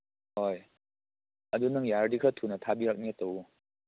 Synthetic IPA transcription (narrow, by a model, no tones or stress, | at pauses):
hɔj | ɐd̪unaŋjaɾdikʰat̪ʰunat̪ʰabiɾak̚net̪ɐw